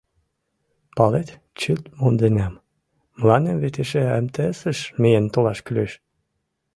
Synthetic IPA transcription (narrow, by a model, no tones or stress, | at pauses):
pɑlet̪ | t͡ɕylt̪mond̪enæmː | əlɑnemβet̪eʃeæ̰mt̪esəʃmejent̪olɑʃkyleʃ